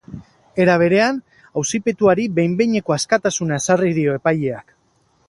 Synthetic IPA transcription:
e̞ɾaβ̞e̞ɾe̞an | awsipe̞t̪uaɾibe̞jmbeɲe̞ko̞askat̪asunae̞sariðio̞e̞paje̞ak

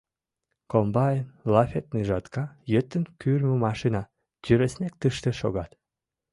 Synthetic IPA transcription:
kombɑjənlɑfʲet̪̚niʒɑt̪kɑjøt̪ːənkyrməmɑʃinɑ | t̪ʲyɾesnek̚t̪ɨʃt̪ĕʃoɣɑt̪

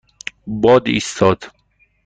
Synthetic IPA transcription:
bɒːd̪ḭst̪ʰɒːd̪̥

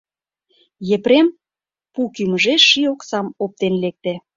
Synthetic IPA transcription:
jepɾem | pukyməʒeʃioksɑmop̚t̪enlek̚t̪ĕ

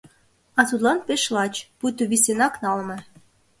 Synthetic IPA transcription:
ɑt̪ud̪lɑnpeʃlɑt͡ɕput̪oβisenɑknɑlmɤ̆

